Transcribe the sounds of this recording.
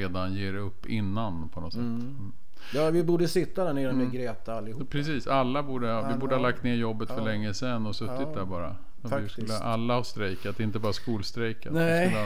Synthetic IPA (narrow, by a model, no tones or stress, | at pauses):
eːd̪anjeːɾɛɵpːɪ̰nːanpʰɔnɔt̪sɛt̪ːm̩ː | jɑːvɪbuːɖəsɪt̪ːad̪æɳeːɾamɛɡɾɛːt̪aalːɪhupːpʰɾɛsiːsalːabuːɖəvɪbuːɖəhalak̚t̪neːɾjɔbːət̪fœɭɛŋːəsɛnːɔsɵt̪ːɪt̪̚d̪æɾbɑːɾa̰ | ɔɪslːəʔalːahɑst̪ɾɛjkat̪d̪ɛɪnt̪əbɑːɾaskuːlst̪ɾɛjkalː